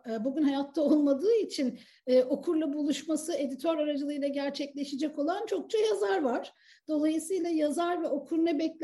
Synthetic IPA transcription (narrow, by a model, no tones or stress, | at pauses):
buɟʲynhajat̪ʰːaolˠmad̪ɯːit͡ʃʰin | ɛːʔo̞kʰuɾlˠabulˠuʃmasɯe̞d̪it̪ʰoɾaɾad͡ʒɯlˠɯjlˠaɟæɾt͡ʃʰɛclʲe̞ʃid͡ʒɛko̞lˠant͡ʃʰo̞k̚t͡ʃʰajazaɾvaɾ̥ | d̪̥o̞lˠajɯsɯjlˠajazaɾvɛo̞kʰuɾnɛbɛclʲ